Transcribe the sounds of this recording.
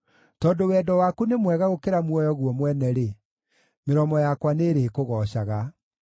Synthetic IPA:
tɔːndowɛdɔwakunemwɛɣaɣokeɾamwɔjɔɣwɔmwɛnɛɾe | meɾɔmɔjakwaneɾeːkoɣɔːɕaɣa

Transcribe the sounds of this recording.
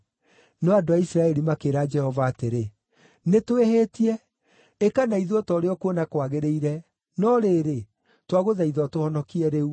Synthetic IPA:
nɔadoaisɾaɛɾimakeːɾad͡ʒɛhɔvaːteɾe | netoehetiɛ | ekanaiðoɔtɔɾeɔkonakwaɣeɾeiɾɛ | nɔɾeːɾe | twaɣoðaiðɔtohɔnɔkiɛɾeu

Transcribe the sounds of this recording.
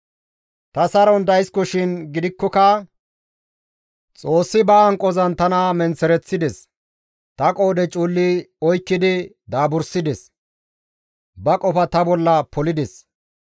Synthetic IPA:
t̪ɐsɐɾɔnd̪ɐjskɔʃɪnɡɪd̪ɪkːɔkɐ | t͡sʼo̞ːsːɪbɐːŋkʼːɔzɐnt̪ɐnɐmɛnt͡sɛɾɛt͡sːɪd̪ɛs | t̪ɐkʼo̞ːd̪ɛt͡ʃʼuːlːɪɔjkːɪd̪ɪ | d̪aːbʊɾsɪd̪ɛs | bɐkʼɔpɐt̪ɐbɔlːɐpɔlɪd̪ɛs

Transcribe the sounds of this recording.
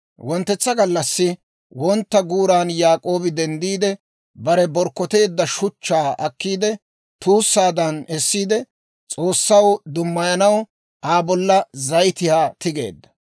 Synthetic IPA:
wɔnt̪ːɛt͡sːɐɡɐlːɐsːɪ | wɔnt̪ːɐɡuːɾaːnjaːkʼo̞ːbɪd̪ɛnd̪iːd̪ɛ | bɐɾɛbɔɾkːɔt̪e̞ːd̪ːɐʃʊt͡ʃːaːʔɐkːiːd̪ɛ | t̪uːsːaːd̪ɐnɛsːiːd̪ɛ | t͡sʼo̞ːsːɐwd̪ʊmːɐjɐnɐw | ʔaːbɔlːɐzɐjt̪ɪhaːt̪ɪɡe̞ːd̪ːɐ̥

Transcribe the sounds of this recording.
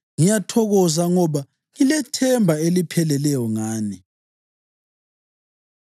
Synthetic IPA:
ŋijatʰɔɣɔzaŋɔβa | ŋilɛtʰɛmbʱaelipʰɛlɛlɛjɔŋaːni

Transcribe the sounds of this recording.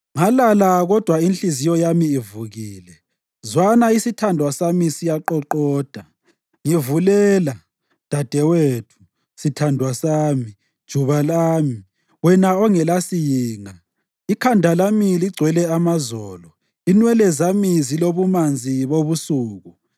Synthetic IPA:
ŋalalaɣɔd̥ʱwainɬizijɔjamiːvuɣiːlɛ | zwanaisitʰandʱwasamisijaǃɔǃɔːd̥ʱa | ŋivulɛːla | d̥ʱad̥ʱɛwetʰu̥ | sitʰandʱwasaːmi | d̥ʒ̥ʱuβalaːmi | wɛnaɔŋɛlasijiːŋa | ikʰandʱalamiliɡ͡ǀʱwɛlɛamazɔlɔ | inwɛlɛzamiziloβumand͡zʱiβoβusuːɣu

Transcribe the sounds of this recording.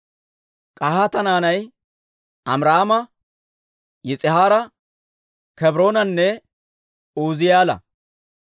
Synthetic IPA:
kʼahɐt̪ɐnaːnɐj | ɐmɾaːmɐ | jɪt͡sʼɪhaːɾɐ | kɛbɾo̞ːnɐnːɛ | uːzɪjaːlɐ̰

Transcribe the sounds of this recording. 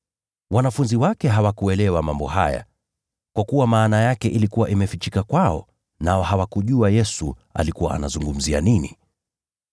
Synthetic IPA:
wanafunziwakɛɦawakuɛlɛwamambɔha̰ja̰ | kwakuwamaːnajakɛʔilikuwaʔimɛfit͡ʃikakwaɔ̰ | naɔhawakuʄuajɛsu | a̰likuwa̰a̰na̰zuŋɡum̩zia̰ninḭ

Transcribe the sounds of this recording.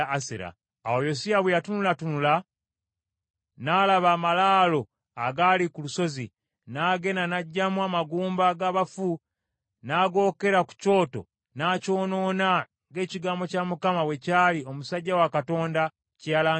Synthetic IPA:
sḛɾa̰ | a̰wojo̞siaβwejatunulatunula | naːlaβaːmalaːlo̞ | a̰ɡalikuluso̞zi | naːɡe̞nanaɟːamuamaɡuːmbaɡaβafu | naːɡo̞ːke̞ɾaku̥co̞ːto̰ | naːco̞ːno̞ːna | ŋɡe̞ːciɡaːmbo̞camukamawe̞caːlio̞musaɟːawakato̞ːnda | ceala

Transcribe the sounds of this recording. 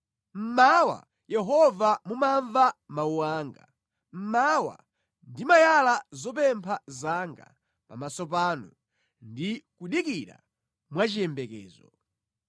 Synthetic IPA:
m̩mawa̰ | jɛɦɔvamumaɱvamauwaːŋɡa | m̩mawa̰ | ndimajalazɔp̬ɛmpʰazaŋɡa̰ | pamasɔp̬anu | ndikuɗikiɾa̰ | mwat͡ʃijɛmbɛkɛ̰ːzɔ

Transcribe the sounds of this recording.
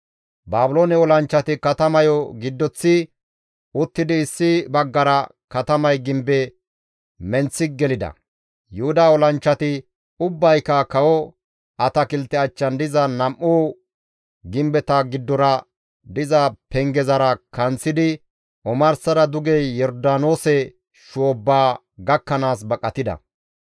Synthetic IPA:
baːbʊloːnɛɔlɐnt͡ʃːɐt̪ɪkɐt̪ɐmɐjɔɡɪd̪ːɔt͡sːɪ | ʊt̪ːɪd̪ɪːsːɪbɐɡːɐɾɐkɐt̪ɐmɐjɡɪmbɛ | mɛnt͡sːɪɡɛlɪd̪ɐ̰ | jʊhʊd̪aːɔlɐnt͡ʃːɐt̪ɪ | ʊbːɐjkːɐkɐwɔ | ʔɐt̪ɐkɪlt̪ːɛɐt͡ʃːɐnd̪ɪzɐnɐmʔuː | ɡɪmbɛt̪ɐɡɪd̪ːɔɾɐ | d̪ɪzɐpɛŋɡɛzɐɾɐkɐnt͡sːɪd̪ɪ | ʔɔmɐɾsɐɾɐd̪ʊɡɛjːɔɾd̪aːno̞ːsɛ | ʃoːbːaː | ɡɐkːɐnaːs̬bɐkʼːɐt̪ɪd̪ɐ̰

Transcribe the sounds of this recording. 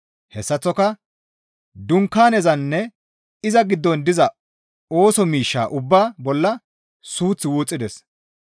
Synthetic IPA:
hɛsːɐt͡sːɔkɐ | d̪ʊŋkːaːnɛzɐnːɛ | ɪzɐɡɪd̪ːɔnd̪ɪzɐ | o̞ːsɔmiːʃːa̰ːʔʊbːaːbɔlːɐ | suːt͡sːɪwuːt͡sʼːɪd̪ɛs

